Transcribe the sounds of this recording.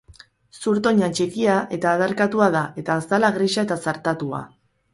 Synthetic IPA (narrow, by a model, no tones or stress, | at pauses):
suɾt̪o̞ɲat͡ʃikiaʔe̞t̪aːðaɾkat̪uaðae̞t̪aːst̪alaɣɾiʃae̞t̪asaɾt̪at̪ua̰